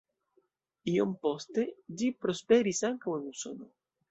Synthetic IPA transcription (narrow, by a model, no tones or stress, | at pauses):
io̰mpost̪ed͡ʒipɾospeɾisaŋkawenuso̰no